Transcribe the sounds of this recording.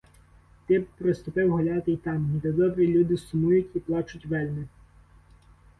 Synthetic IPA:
t̪ɪp̚pɾest̪ʊpɪwɦɔlʲɑt̪ɪjt̪ɑmd̪ɛd̪ɔbɾʲilʲud̪ɪsʊmujʊtʲiplˠɑt͡ʃʊtʲʋɛlʲnɪ

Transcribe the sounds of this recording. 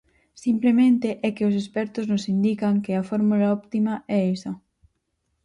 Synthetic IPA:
simplemẽnt̪eʔɛkɪosespɛɾt̪ʊznʊsind̪ikaŋkɪafɔɾmulaɔpt̪imaʔɛisa

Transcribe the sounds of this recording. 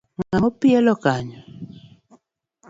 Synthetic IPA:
ŋamɔpiɛlɔkaɲɔ

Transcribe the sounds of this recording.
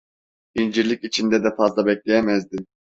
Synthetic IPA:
ind͡ʒiɾlʲikʲit͡ʃʰind̪ɛd̪ɛfazlˠabɛkʲlʲɛjɛmɛzd̪im

